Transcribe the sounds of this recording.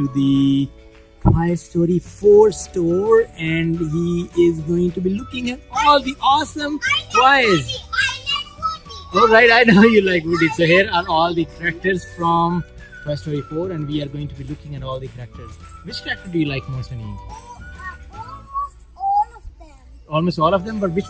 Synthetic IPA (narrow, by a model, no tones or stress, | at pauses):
ʈud̪i | pʰaɪsʈoːɾifoːɾsʈoːɾɛ̃ɳɖɦiɪzɡoːɪ̃ŋʈubilʊkɪ̃ŋæʈɔːld̪iʔɔːsə̃mʈwaɪz | ʋɛlɾaɪʈaɪnoʊjulaɪkʋɪɖisoːɦiəɾaːɾɔːld̪ikʰɾæk̚ʈəɾzfɾɔ̃mʰ | aɪsʈɔːɾifoːɾɛ̃ɳɖʋiːaɾɡoːɪ̃ŋʈubilʊkɪ̃ŋæʈɔːld̪ikəɾæk̚ʈəɾzʋɪt͡ʃkɾæk̚ʈəɾɖujuːlaɪkmɪsənḛ̃ɪ̃m | ɔːlmoːsʈɔːlɔfd̪ɛ̃mbʌʈʋɪt͡ʃ